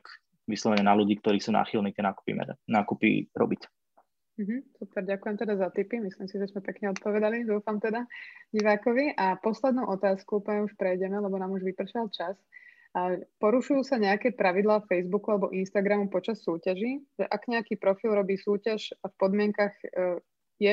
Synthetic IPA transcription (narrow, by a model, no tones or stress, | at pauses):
ʋislˠɔʋɛɲɛnaluɟiːkt̪ɔɾiːsuːna̰ːxilniːt̪ɪɛnaːku̥pḭmɛ̰d̪naːkupḭɾɔ̰bic | m̩ɦm̩supɛɾɟakujɛmt̪ɛd̪azat̪ipimisliːmsiʒɛzmɛpɛkɲɛɔt̪̚pɔʋɛd̪alid̪uːfamt̪ɛd̪aɟiʋaːkɔʋiʔapɔslɛd̪nuʊʔɔt̪aːskuupəɲɛuʃpɾɛjɟɛmɛlɛbɔnaːmuʒʋipr̩ʃalt͡ʃas | apɔɾuʃujuːsaɲɛakɛːpɾaʋid̪laːfɛjzbukualɛbɔ̰ʔinst̪aɡɾamupɔt͡ʃasːuːcaʒiʒɛʔaɡɲɛakiːpɾɔfilɾɔbiːsuːcaʃafpɔd̪mɪɛŋkaɣ | jɛ